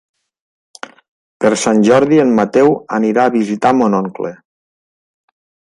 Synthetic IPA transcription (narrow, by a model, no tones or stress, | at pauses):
pəɾsanʲʒɔɾðiənːat̪ɛwəniɾaːβizit̪amonɔŋkle